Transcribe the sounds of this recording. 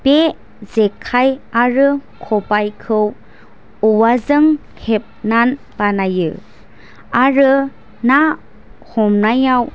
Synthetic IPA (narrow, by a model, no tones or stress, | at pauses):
b̥e | zekʰajaɾɯkʰɔbajkʰɯw | ɔwazɯŋ | hep̚nan | b̥anajɯ̰ | aɾɯ | na | hɔmnajaw